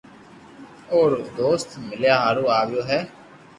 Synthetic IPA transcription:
oːɾd̪oːst̪mɪljaːɦaːɾũːaːʋɪjoːɦɛː

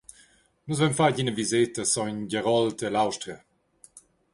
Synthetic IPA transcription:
nuzvɛmfaɟinəvizetəsɔɲɟəʁɔltəlawʃtɾə

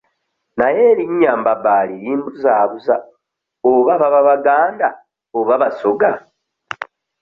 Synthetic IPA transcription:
naje̞ɾiɲːaːmbabaːliɾiːmbuzaːβuza | oβaβaβaβaɡaːnda | oβaβasoɡa

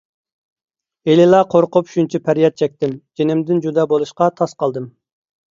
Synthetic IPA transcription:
elɪlˠɑqʰoɾqʊpʃunt͡ʃʰipʰæɾjɛt̪̚t͡ʃʰɛk̚ʲt̪ɪmd͡ʒenɪmd̪ɪnd͡ʒud̪ɑbolˠuʃqɑt̪ʰɑsqɑlˠd̪ɨm

